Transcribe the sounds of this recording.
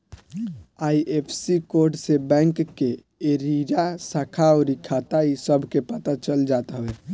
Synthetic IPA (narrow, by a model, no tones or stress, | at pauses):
aiʔepʰsikoɾɖsebɛ̃ŋkːe | eɾiɾasakʰaɔɾikʰat̪aisəbʱkepət̪at͡ʃəld͡ʒat̪ɦəe